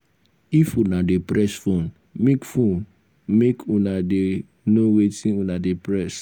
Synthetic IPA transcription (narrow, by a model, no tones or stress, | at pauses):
ifunadepɹɛsfõn | mekfõn | mekunade | nowetĩnunadepɹɛs